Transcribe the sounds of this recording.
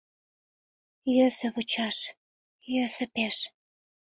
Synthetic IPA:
jøsə̆βut͡ɕɑʃ | jøsə̆peʃ

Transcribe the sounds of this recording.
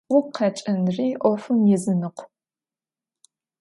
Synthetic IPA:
ʊqʰɐt͡ʃʼɐnriːʔʷɔfɨmjɪzɨnɨqʷ

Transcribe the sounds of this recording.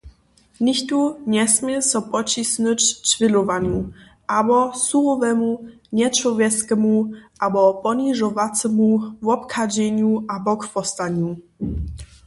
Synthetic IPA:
nʲixt̪uɲɛsmʲjɛsɔpɔt͡ɕisnɨt͡ɕt͡ʂvʲilɔvaɲu | ʔabɔsuɔvɛmu | ɲɛt͡ʂwɔvʲjɛskɛmuʔabɔpɔniʐɔvat͡s̪ɛmuvɔpkʰad͡ʑeɲuʔabɔkfɔst̪aɲu

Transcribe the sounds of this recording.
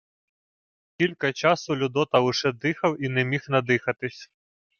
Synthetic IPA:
kʲilʲkɐt͡ʃɑsʊlʲʊd̪ɔt̪ɐʊʃɛd̪ɪxɐwinɛmʲixnɐd̪ɪxɐt̪ɪsʲ

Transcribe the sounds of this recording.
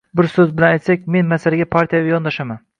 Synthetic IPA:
bɪɾsɵzbɪlanajt̪sak̚ʲme̞nmasalɪɡʲapʰaɾt̪ʰijavajɒnd̪aʃaman

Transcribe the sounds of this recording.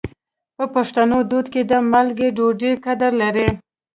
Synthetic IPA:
pəpaʂt̪anod̪od̪ked̪əmalɡeɖoɖekad̪aɾlaɾe

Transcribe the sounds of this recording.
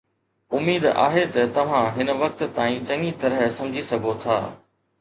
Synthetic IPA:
ʊmiːd̪a̰ːɦet̪ɐt̪ɐʋ̤ãɦɪnəʋɐk̚t̪ːaːĩt͡ɕɐ̃ŋit̪ɐɾəɦsɐ̃md͡ʑʱisɐɡʱot̪ʰaː

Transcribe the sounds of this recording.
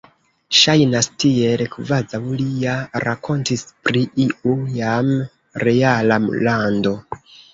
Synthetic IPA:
ʃajnastielkvazawlijaɾakʰo̞ntispɾiʔiʔujam | ɾe̞alamlando̞

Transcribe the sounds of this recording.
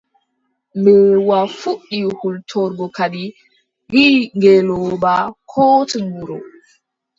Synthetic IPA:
mbɛwafuɗːihultʰɔɾɡɔkaɗi | ɡiŋɡɛlɔbakʰɔtiŋɡuɾɔ

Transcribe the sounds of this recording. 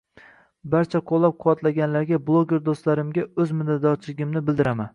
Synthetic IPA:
baɾt͡ʃʰaqʰolˠːap̚qʰʊwat̪laɡʲanlaɾɡʲablˠoɡʲe̞ɾd̪ost̪laɾɪmɡʲaɵzmɪd̪ad̪ɒt͡ʃʰɪlɪɡʲɪmnɪbɪld̪ɪɾaman

